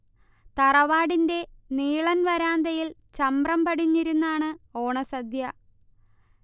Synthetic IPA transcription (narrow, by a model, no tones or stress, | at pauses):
t̪ɐrɐʋaːɽinde̞niːɭɐnʋɐɾaːnd̪ɐjilt͡ɕɐmbrɐmpɐɽiɲːiɾunːaːɳɨo̞ːɳɐsɐd̪ʱjɐ